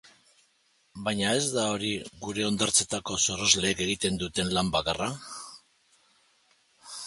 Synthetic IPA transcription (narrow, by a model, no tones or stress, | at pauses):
bajɲae̞zd̪ao̞ɾiɣuɾe̞o̞nd̪aɾt͡se̞t̪ako̞so̞ro̞zle̞ːke̞ɣit̪e̞nd̪ut̪e̞nlambakara